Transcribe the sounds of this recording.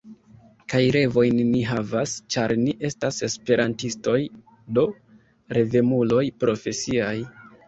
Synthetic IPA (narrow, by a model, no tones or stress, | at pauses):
kajɾe̞vo̞jnːiɦavast͡ʃaɾniʔe̞stase̞spe̞ɾantisto̞j | do̞ | ɾe̞ve̞mulo̞jpɾo̞fe̞siaj